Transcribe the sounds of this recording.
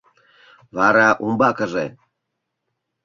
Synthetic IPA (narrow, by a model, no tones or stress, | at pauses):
βɑɾɑʔumbɑkə̆ʒe